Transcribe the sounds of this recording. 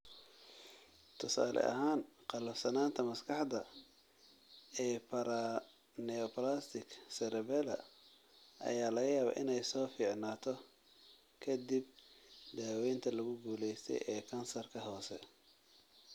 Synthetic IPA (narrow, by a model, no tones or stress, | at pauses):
t̪ʰʊsa̰ːlʔɛ̰ʔɐ̰ɦaːnqɑlɐfsɐnaːnt̪ʰɐmɐskʰɑħd̪ɐ | ɛːpʰɐɾɐ | nɛɔplast̪ɪksɛɾɛβɛlɐ̰ | ʔɐ̰jaːlɐɣɐjaːβa̰ːʔɪnɛjsɔːfiːʕnaːt̪ʰɔ | kʰɐd̪ibd̪aːwɛjnt̪ʰɐlʊɣʊɡuːlɛjst̪ʰɛ̰jʔɛːkʰɐnsɐrkʰɐɦɔːsɛ̰